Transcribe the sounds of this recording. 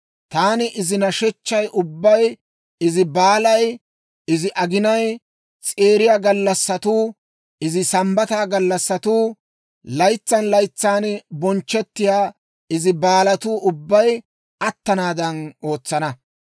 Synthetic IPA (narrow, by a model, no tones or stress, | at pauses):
t̪aːnɪʔɪzɪnɐʃɛt͡ʃːɐjʔʊbːɐj | ɪzɪbaːlɐj | ɪzɪʔɐɡɪnɐj | t͡sʼeːɾɪjaːɡɐlːɐsːɐt̪uː | ɪzɪsɐmbɐt̪aːɡɐlːɐsːɐt̪uː | lɐjt͡sːɐnlɐjt͡sːaːnbɔnt͡ʃːɛt̪ːɪjaː | ɪzɪbaːlɐt̪uːʔʊbːɐj | ɐt̪ːɐnaːd̪ɐno̞ːt͡sːɐnɐ